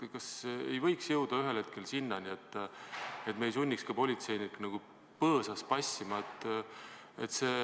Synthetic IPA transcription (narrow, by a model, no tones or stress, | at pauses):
kɑsḛjvɤ̞jksjɤwd̪̥ɑyɦe̞lhe̞t̪̚ke̞lsinːɑnie̞t̪ːˑ | e̞t̪mejlsunʲːikskɑpo̞lʲit̪se̞jniknɑɡ̥u | pɤːsɑspɑsʲːimɑet̪ˑː | et̪ːse̞